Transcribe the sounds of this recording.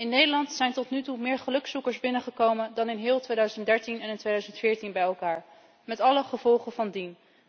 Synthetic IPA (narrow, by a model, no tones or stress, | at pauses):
ɪnːejdəlɑntsɛjntɔtnytumɪːɹχəlɵksukəɹsbɪnəχəkowməndɑnɪnɦɪːlˠtʋejdœɥzəndɛɹtinɛnɪntʋejdœɥzəntfɪːɹtinbɛjɛlˠkaːɹ | mɛtɑləχəv̥ɔlˠχəvɑndin